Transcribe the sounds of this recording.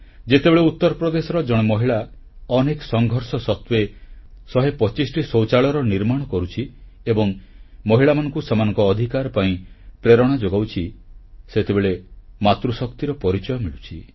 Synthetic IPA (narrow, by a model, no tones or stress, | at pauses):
d͡ʒet̪ebeɭeut̪ːɔɾɔpɾɔd̪esɔɾɔd͡ʒɔɽ̃emɔɦiɭa | ɔnekɔ̥sɔŋɡʱɔɾsɔsɔt̪wesɔɦepɔt͡ʃisʈisowt͡ʃaɭɔɾɔniɾmaɽ̃ɔkɔɾut͡ʃʰi | ebɔŋ | mɔɦiɭamanɔ̃ŋkusemanɔ̃ŋkɔːd̪ʱikaɾɔpaĩpɾeɾɔɽ̃ad͡ʒoɡawt͡ʃʰiset̪ebeɭemat̪ɾusɔkt̪iɾɔpɔɾit͡ʃɔjɔmiɭut͡ʃʰi